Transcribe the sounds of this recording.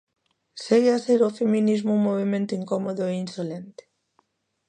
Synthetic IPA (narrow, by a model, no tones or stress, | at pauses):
seɣeaseɾofeminizmʊuŋmoβ̞emẽnt̪ʊiŋkɔmoðoeinsolent̪e̥